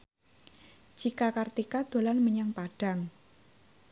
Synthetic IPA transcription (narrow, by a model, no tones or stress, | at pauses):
d͡ʒ̥ikakart̪ikad̪̥o̤lanməɲaŋpaɖ̥a̤ŋ